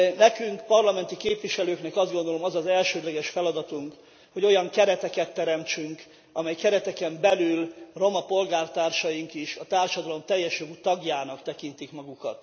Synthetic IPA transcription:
nɛkyŋkpɒrlɒmɛnt̪ikeːpʋiʃɛløːknɛkɒzd̪ɡo̞nd̪o̞lo̞mɒzɒzɛlʃøːd̪lɛɡɛʃfɛlɒd̪ɒt̪uŋk | ho̞ɟo̞jɒŋkɛɾɛt̪ɛkɛt̪ːɛɾɛmt͡ʃyŋk | ɒmɛjkɛɾɛt̪ɛkɛmbɛlylro̞mɒpo̞lɡaːrt̪aːrʃɒjiŋkiʃɒt̪aːrʃɒd̪ɒlo̞mt̪ɛjːɛʃjoɡuːt̪ɒɡjaːnɒkt̪ɛkint̪ikmɒɡukɒ̰t̪

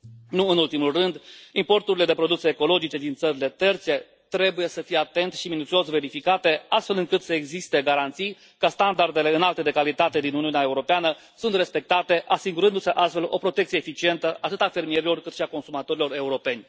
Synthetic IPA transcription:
nuɨnult̪imulrɨnd̪impo̞rt̪uɾile̞d̪e̞pɾo̞d̪usəːko̞lo̞d͡ʒit͡ʃe̞d̪int̪səɾile̞t̪e̞rt̪se̞ | t̪ɾe̞buje̞səfijeat̪e̞nt̪ʃiminut̪sio̞sve̞ɾifikat̪e̞ast̪fe̞lɨŋkɨt̪səeɡzist̪e̞ɡaɾant̪sij | kəst̪and̪ard̪e̞le̞ɨnalt̪e̞d̪ekalit̪at̪e̞d̪inuniuneae̞uɾo̞peanə | sunt̪re̞spe̞k̚t̪at̪e̞ʔasiɡuɾɨnd̪useʔast̪fe̞lo̞pɾo̞t̪e̞k̚tsijeefit͡ʃie̞nt̪əʔat̪ɨt̪afe̞rmije̞ɾilo̞rkɨt̪ʃiako̞nsumat̪o̞ɾilo̞ɾe̞uɾo̞pe̞nʲ

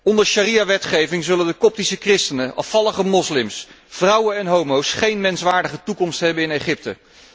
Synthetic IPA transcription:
ɔndəɹʃarijaʋɛtχejvɪŋzɵləndəkɔp̚tisəkrɪstənəʔɑ̰fɑləχəmɔslɪms | v̥rʌwənɛnɦowmowsχejnmɛnsʋaːɹdəχətukɔmstɦɛbənɪnejχɪp̚tə̰

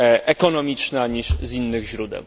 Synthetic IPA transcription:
ʔɛkɔnɔmʲit͡ʂnaɲiʂzinːɘɣʑɾud̪ɛ̰w

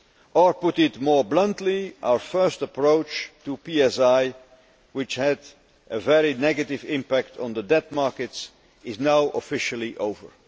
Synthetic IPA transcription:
ʔəɹpʊtɪtmɔɹblʌ̃ntʰliʔa̰ʊə˞fɜ˞stəpɹoʊt͡ʃtupiɛsaɪ | wɪt͡ʃhɨd | ʔəvɛɹinɛɡɨtɪvɪ̃mpæk̚tʰn̩ðədɛt̚mɑɹkɨts | ɪznaʊʔəfɪʃl̩ˠiʔoʊvə̰˞

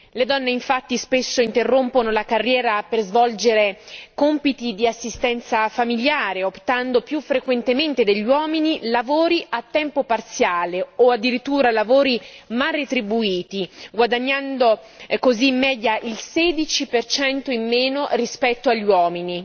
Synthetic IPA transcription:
led̪ɔnːeiɱfat̪ːispesːoint̪erːomponolakarːjɛːɾaperzvɔld͡ʒeɾekompit̪id̪iasːist̪ɛnt̪safamiljaːɾeopt̪and̪opjufːɾekwent̪ement̪ed̪eʎːiwɔːminilavoːɾiʔat̪ːɛmpopart̪sjaːleoad̪ːiɾit̪ːuːɾalavoːɾimarːet̪ɾibuiːt̪iɡwad̪aɲːand̪o | kozimːɛːd̪jaʔilsɛd̪it͡ʃipert͡ʃɛnt̪oimːeːnorispɛt̪ːoaʎːiwɔːmini

